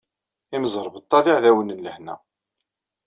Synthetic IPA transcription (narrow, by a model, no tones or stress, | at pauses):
iməzˤəɾˤbət̪ˤːɑðiʕðæwənənləhnæ̰